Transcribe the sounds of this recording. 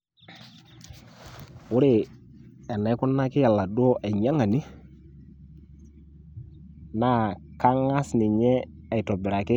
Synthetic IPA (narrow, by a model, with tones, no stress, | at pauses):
ʊ˦ɾe˦˨ | ɛ˨na˨˦kʊ˦nːa˦kɪ˦ja˨lːa˨du˦ɔ˦ʔɛ˨ɲa˦ŋa˨ni˦ | na˦ka˦ŋa˦snɪ˨ɲɛː˦˨ | jtɔ˨bɪ˨ɾa˨kɪ˦